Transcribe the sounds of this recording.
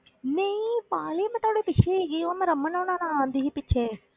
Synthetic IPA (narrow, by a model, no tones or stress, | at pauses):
neĩːpaːleːmɛ̃t̪aːɽeːpɪt͡ʃʰeːɡeːomɛ̃ːɾəmːənãːnãːnãaːnd̪iːɦiːpɪtːt͡ʃʰɛː